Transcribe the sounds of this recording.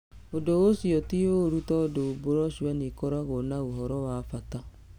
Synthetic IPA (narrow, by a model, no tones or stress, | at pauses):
odoɣosiɔtioɾutɔdoboɾɔʃuwanikɔɾaɣɔnaoɦɔɾɔwafata